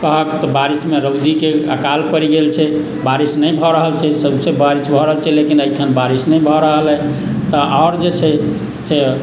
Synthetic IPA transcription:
kəɦəkt̪ɔbaɾismeɾəwd̪ikeakalpəɾiɡelt͡ʃʰɛ | baɾisnəjbʱɔɾəɦəlt͡ʃʰɛsəbsebʱaɾisbʱɔɾəɦəlt͡ʃʰɛlekinəjt̪ʰanbaɾisnəjbʱɔɾəɦəlɦɛ | t̪ɔʔaʊɾd͡ʒet͡ʃʰɛ | se

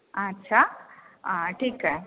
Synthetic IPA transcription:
ɐtːɕʰa | ʈʰiːkɦe

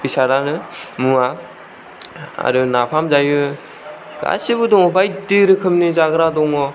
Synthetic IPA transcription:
bisaɾanɯmua | a̰ɾɯnapʰamzajɯ | ɡa̰sibɯdɔŋɔbajtiɾɯkʰɯmnizaɡɯɾadɔŋɔ

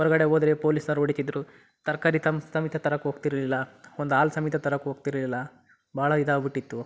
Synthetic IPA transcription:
ɦɔɾɐɡɐɽeoːd̪ɾepoːlisnɐɾoːɽisid̪ɾu | t̪ɐɾkaːɾit̪ɐmsɐmit̪ʰɐt̪ɐɾɐkuɦoːɡt̪iɾɐlilːɐond̪uaːlsɐmit̪ʰɐt̪ɐɾɐkuɦoːɡ̚t̪iɾɐlilːɐ | baːɭɐid̪aːbiʈːit̪ːu

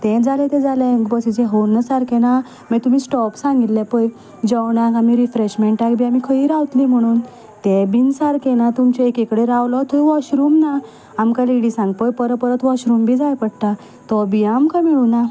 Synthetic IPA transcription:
t̪ɛ̃d͡zalet̪ɛ̃d͡zalẽɡbəsid͡ʑɛɦownːəsaɾkena | mɛt̪umiːsʈɔpsãŋɡit̪lepəj | d͡ʑəwnakamiɾifɾeɕmeɳʈakbʱiːamikʰəiːɾawt̪lim̤əɽ̃uːn | t̪ebinsaɾkɛnat̪umt͡ɕeekekɽeɾawlɔt̪ɔiʋɔɕɾuːmna | amkaliɽisãŋɡpəjpəɾəpəɾət̪ʋɔɕɾumbʱid͡zajpəɽt̪a | t̪ɔbiamkamiɭuna

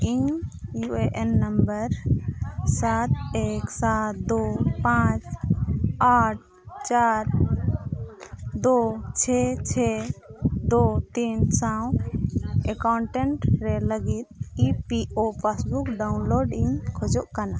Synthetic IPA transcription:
iɲjuʔeʔɛnːəmbəɾ | sat̪̚eksat̪d̪opãt͡ʃ | aʈ̚ | t͡ʃaɾ | d̪ot͡ʃʰɛt͡ʃʰɛ | d̪ot̪insaw̃ | ɛkawɳʈɛɳʈɾɛləɡit̪̚ipiʔopʰasbukɖawnloɖiɲkʰɔd͡ʒɔʔkana

